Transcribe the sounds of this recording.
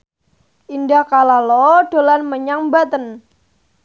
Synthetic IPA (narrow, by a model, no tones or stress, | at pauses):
ʔindahkalalɔɖ̥o̤lanməɲaŋbat̪ən